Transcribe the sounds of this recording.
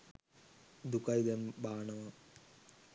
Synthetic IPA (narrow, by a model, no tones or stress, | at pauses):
d̪ukajd̪ɐmbʱaːɳɐʋɐ